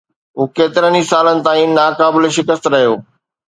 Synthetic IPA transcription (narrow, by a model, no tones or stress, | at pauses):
ɦuːkeːt̪ɪɾənisaːlənɪ̆t̪aːĩnaːkaːbɪleʃɪkəst̪ɾɐɦijoː